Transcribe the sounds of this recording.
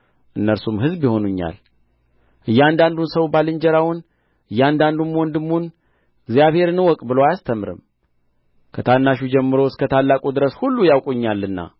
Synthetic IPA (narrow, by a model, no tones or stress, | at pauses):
ʔɨnːəɾsumɦɨzbjɪho̞nuɲːa̰l | ʔɨjːɛand̪and̪unsəwbalɨɲd͡ʒɛɾawʊn | ʔɨjːand̪and̪umwɔnd̪ɨmːun | ɨɡzijaβhe̞ɾnəwɔkʼbɨloajast̪ʰəmɾɨ̰m | kʰət̪ʰanːaʃud͡ʒɛmːɨɾoskʰət̪ʰalːakʼud̪ɨɾəshulːujawkʼuɲːalːɨnːa̰